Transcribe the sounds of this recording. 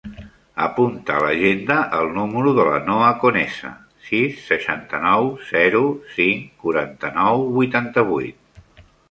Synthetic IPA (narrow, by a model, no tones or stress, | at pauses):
əpunt̪əːləʒend̪əʔəlˠnuməɾuðələ̰noəkunɛsə̰ | sisːəʃant̪ənɔwz̥ɛɾusiŋkuɾant̪ənɔwβujt̪ant̪əβ̞ujt̪̚